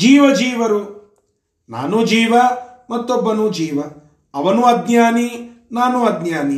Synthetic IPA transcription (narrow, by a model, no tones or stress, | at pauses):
d͡ʒiːʋɐd͡ʒiːʋɐɾu | na̰ːnud͡ʒiːʋɐmɐt̪ːobːɐnud͡ʒiːʋɐ | ɐʋɐnuɐd̪naːninaːnuɐd̪ɲjaːni